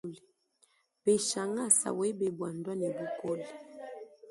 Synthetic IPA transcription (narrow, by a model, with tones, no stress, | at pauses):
li˨ | be˨ʃa˨ŋa˦˨sa̰˨we˦be˨bwa˨ndwa˦ne˨bu˨kɔ˦li˨